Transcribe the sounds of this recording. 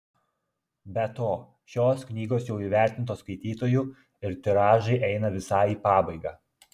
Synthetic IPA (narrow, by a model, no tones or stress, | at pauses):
bʲɛt̪oː | ʃʲoːsknʲiːɡoːsjɛʊiːʋʲæɾʲt̪ʲɪnt̪oːskɐɪt̪ʲiːt̪oːju | ɪɾt̪ʲɪɾɑːʒɐɪʔɛɪnɐʋʲɪsɑːɪiːpɑːbɐɪɡɑː